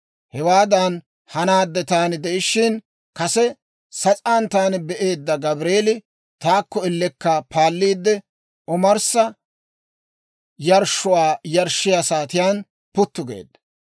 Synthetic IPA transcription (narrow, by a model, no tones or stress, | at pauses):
hɛwaːd̪ɐn | hɐnaːd̪ːɛt̪aːnɪd̪ɛʔɪʃːɪn | kɐsɛ | sɐt͡sʼaːnt̪aːnɪbɛʔe̞ːd̪ːɐɡɐbɾeːlɪ | t̪aːkːɔɪlːɛkːɐpʰaːlːiːd̪ːɛ | ɔmɐɾsɐ | jɐɾʃʊwaːjɐɾʃːɪjasaːt̪ɪjaːn | pʊt̪ːʊɡḛːd̪ːɐ̥